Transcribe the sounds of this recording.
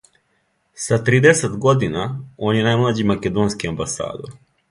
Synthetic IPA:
sat̪ɾiːd̪eset̪ɡod̪inao̞ːnjenaːjmlˠad͡ʑimaked̪oːnskiambasa̰ːd̪o̰ɾ

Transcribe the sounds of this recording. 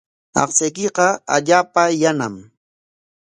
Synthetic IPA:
ɑ̰χsajkɪqɑa̰ʎaːpajanam

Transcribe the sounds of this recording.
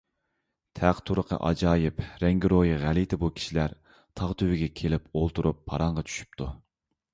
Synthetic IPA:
t̪ʰæqt̪ʰuɾəqʰə̰ʔɑ̰d͡ʒɑːjɪpɾɛŋɡʲiɾojiʁælit̪ʰɪbukʲʰi̥ʃilæɾ | t̪ʰɑʁt̪ʰywɪɡʲɛkʲʰelɪpolˠt̪uɾʔupʰːɑ̰ɾɑɴʁɑt͡ʃʰy̥ʃy̥p̚t̪ʰu

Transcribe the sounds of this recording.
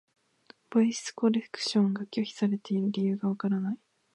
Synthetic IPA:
b̥oisɨ̥ko̞ɾe̞kɯ̥ɕõ̞ŋɡakʲo̞çʲi̥saɾe̞t̪e̞iɾɯ̟ɾʲijɯ̟ːɡaβakaɾanai

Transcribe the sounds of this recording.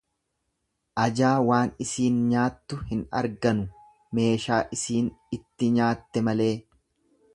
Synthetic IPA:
ʔɐd͡ʒaːwaːnɪsiːnɲaːt̪ːʊhɪnɐ̰ɾɡɐnʊ | me̞ːʃaːʔɪsiːnɪt̪ːɪɲaːt̪ːɛmɐle̞ː

